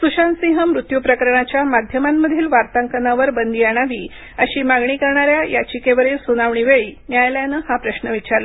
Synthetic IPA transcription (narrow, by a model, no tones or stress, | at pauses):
suɕansĩɦəmɾut̪jupɾəkəɾɳat͡ɕjamad̪ʱjəmamːəd̪ʱiːlʋaɾt̪aŋkənaʋəɾbənd̪iːaɽ̃aʋiː | əɕiːmaɡɳiːkəɾɳaɾjajʔat͡ɕikeʋəɾiːlsunaʋɳiːʋeɭiːnjajljanəːhapɾəɕnəʋit͡ɕaɾlə